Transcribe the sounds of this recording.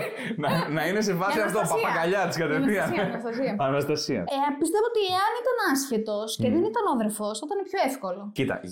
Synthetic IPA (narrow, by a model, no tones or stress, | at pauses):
nɐnɐine̞s̬evɐssiɐft̪opɐɐkɐʎɐt̪iskɐt̪efiɐɐɐziɐɐnɐst̪ɐsiɐ̰pist̪e̞voot̪ieɐnit̪ɐnɐsçet̪o̞sceðenit̪ɐnoðeɾfosot̪ɐnepço̞efko̞lo̞cit̪ɐ̰